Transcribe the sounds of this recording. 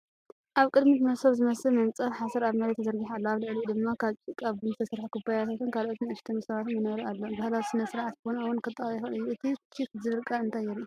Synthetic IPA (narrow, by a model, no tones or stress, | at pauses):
ʔaβkʼɨd̪mit̪mɐsoβzɨmɐsɨlmɐmt͡sʼɐfħasɐɾaβmɐɾet̪ʰːɐzɐɾɡiħalːoaβlɨʕlid̪ɨmːakʰaβt͡ʃʼɨkʼaβɨnɨst̪ʰɐsɾħkʰubajat̪ʰat̪ʰunkʰalʔot̪niaʃt̪ʰɐmusɐβat̪mɐnɐβɾialːobahlawisɨnɐsɾʕat̪bonawɔnkʰɨt̪ʼːɐjɛxɐnɨjːuɨt̪ʰit͡ʃʰitzɨβɨɾkʼaɨnt̪ʰajɛɾiu